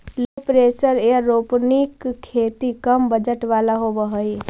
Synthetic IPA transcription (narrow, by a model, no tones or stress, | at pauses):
loːpɾesəɾeəːoːpnikʰːeːt̪ikəmbəd͡ʒəʈʋaːlaɦobəɦəi